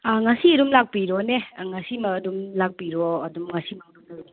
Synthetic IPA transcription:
aŋɐsiɐɾumlak̚piɾɔneŋɐsimɐɐdumlak̚piɾɔɐdumŋasimaŋnunaɔ

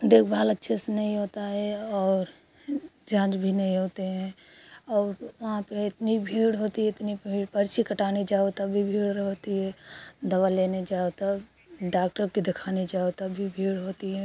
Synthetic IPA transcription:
d̪eːkʰbʱaːlətːʃʰesenəɦĩɦoːt̪aɦɛɔːɾ | d͡ʒãːt͡ʃbʱinəɦĩɦoːt̪eɦɛ̃ɔːɾʋɐɦãpeɪt̪nibʱiːɽɦoːt̪iɦɛɪt̪niipəɾt͡ʃikəʈaːned͡ʒaːot̪abʱibʱiːɽɾəɦot̪iɦɛd̪ɐʋaleːned͡ʒaːot̪a | ɖaːk̚ʈəɾked̪ɪkʰaːned͡ʒaːot̪abʱibʱiːɽɦoːt̪iɦɛ̃

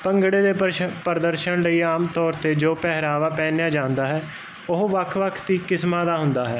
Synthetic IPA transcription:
pəŋɡɽeːd̪eːpəɾd̪əɾʃəɳləiːaːmt̪ɔːɾt̪eːd͡ʒoːpɛɦɾaːʋaːpɛ̃ːnejaːd͡ʒãːʊ̃nd̪aːɦɛː | ʊɦʋəkʰʋəkʰt̪iːkɪsmãːd̪aːɦʊnd̪aːɦɛː

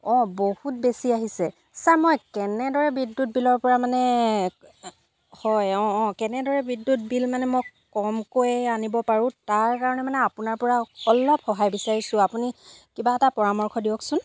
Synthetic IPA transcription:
ɔ̃bohut̚besiaɦisɛ | samɔjkɛnɛdɔɹɛbidːut̚bilɔɹpɔɹamanɛ | hɔjɔ̃ːkɛnɛdɔɹɛbidːut̚bilmanɛmojkɔmkojɛanibɔpaɹʊ̃taɹkaɹɔnɛmanɛapunaɹpɔɹaɔlɔb̚xɔɦajbisaɹisʊ̃apunikibaɛtapɔɹamɔɹkʰɔdiɔksʊn

